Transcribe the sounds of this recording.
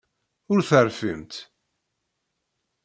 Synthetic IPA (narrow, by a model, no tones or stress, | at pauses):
ʊɾθəɾfimt̪